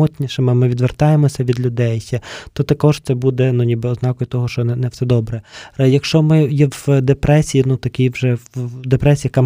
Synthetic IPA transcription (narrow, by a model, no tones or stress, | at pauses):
ɔt̪ʲnʲiʃɛmɪmɪʋʲid̪ʋert̪ɑjemɔsʲɐʋʲid̪lʲʊd̪ɛjt̪ɔt̪ɐkɔʒ̥t̪sɛbud̪ɛnunʲibɪɔznɑkɔjʊt̪ɔɦɔʃt͡ʃɔnɛnɛwsɛd̪ɔbɾɛjɐkʃt͡ʃɔmɪjɛwd̪epɾɛsʲijinut̪ɐkʲijwʒɛd̪epɾɛsʲijɐkɑm